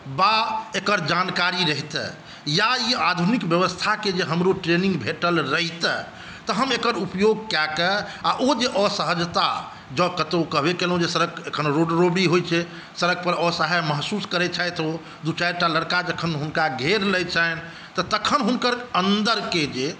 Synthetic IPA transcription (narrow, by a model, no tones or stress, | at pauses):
baekəɾd͡ʒankaɾiɾəɦit̪ɛ̰ | jaiad̪ʱunikbjəʋəst̪ʰaked͡ʒeɦəmɾoʈɾenĩŋɡbʱeʈəlɾəɦt̪ɛ | t̪ɔɦəmekəɾupjoɡ̚kɛkɛ | aʔod͡ʒeʔɔsəɦəd͡ʒt̪a | d͡ʒəkət̪okəɦbekelɦũd͡ʒesəɾəɡekʰənɾoɖɾobɽiɦojt͡ʃʰɛ | səɾəɡ̚pəɾɔsaɦajməɦsuskəɾɛt͡ʃʰajt̪o | d̪ut͡ʃajɾʈaləɽkad͡ʒəkʰənɦunkaɡʱeɾləjt͡ʃʰɛn | t̪ɔt̪əkʰənɦunkəɾənd̪əɾked͡ʒe